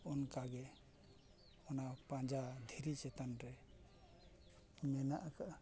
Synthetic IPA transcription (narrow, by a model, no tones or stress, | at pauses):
ɔnkaɡɛ | ɔnapãd͡ʒad̪ʱiɾit͡ʃɛt̪anɾɛ | mɛnaʔkaʔ